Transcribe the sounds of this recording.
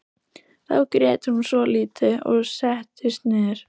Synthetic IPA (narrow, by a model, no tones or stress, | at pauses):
θa̰wkɾɛːt̪ɪhunsvɔliːt̪ɪɔ̰ɣsɛht̪ɪst̪nɪːɾ̥